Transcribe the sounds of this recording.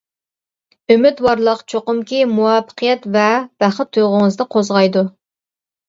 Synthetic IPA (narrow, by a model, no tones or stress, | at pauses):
ømɪt̪wɑɾlˠəqt͡ʃʰoqʊmkʲimuwɑpə̥qʰəjɛt̪vɛb̥æχət̪ʰːujʁʊŋɨzd̪ɨqʰozʁɑjd̪u